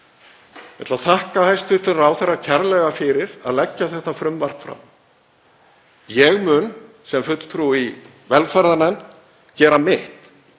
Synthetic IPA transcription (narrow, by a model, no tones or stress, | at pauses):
mɛt̪laθahkahajst̪ʏt̪ɪraːwθɛrːacʰɛɾlɛɣafɪɾɪɾa̰ðlɛcːaθɛht̪afɾʏmvar̥pfɾa̰wm | jɛɣmʏn | sɛmfʏt̪l̥t̪ʰɾui | vɛlfaɾðanɛn | cɛːɾamɪht̪